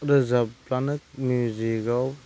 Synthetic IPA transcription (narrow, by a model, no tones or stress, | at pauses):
ɾɯzaplanɯk̚muziɡaw